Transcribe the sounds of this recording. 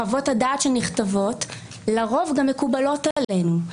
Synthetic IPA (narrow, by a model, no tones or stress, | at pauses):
avo̞thadaːtʃelniχtavo̞t | laʁo̞vɡamːekubalo̞tale̞nu